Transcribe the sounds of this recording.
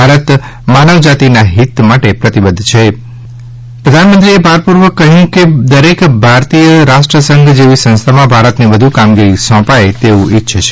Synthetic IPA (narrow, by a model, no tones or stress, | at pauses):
bʱaɾət̪ | manəʋd͡ʒat̪inaɦit̪maʈepɾət̪ibəd̪ʱt͡ʃʰe | pɾəd̪ʱanmənt̪ɾiebaɾpuɾʋəkəɦũked̪əɾekbʱaɾt̪ijəɾaʃʈɾəsəŋɡd͡ʒeʋisə̃ñst̪ʰamãbʱaɾət̪neʋəd̪ʱukamɡiɾisɔ̃paet̪eũitːʃʰt͡ʃʰe